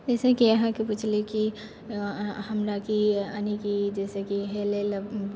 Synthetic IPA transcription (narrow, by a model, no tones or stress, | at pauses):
d͡ʒɛːsekijɐɦãkeput͡ʃʰliki | hɐmɾakianikid͡ʒɛːsekiɦelel